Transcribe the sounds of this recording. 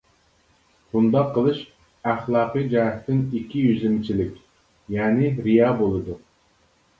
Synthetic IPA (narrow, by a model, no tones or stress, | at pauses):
bund̪ɑqʰːəlˠɨʃ | æχlˠɑːqɨd͡ʒɑːɦt̪ʰːɪnikʲʰːijyzlɪmɪt͡ʃʰilɪkʲ | jɛːnɪɾijɑːbolˠɨd̪u